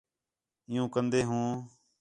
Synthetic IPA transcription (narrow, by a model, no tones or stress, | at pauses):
ɪjũːkənd̪eːɦũː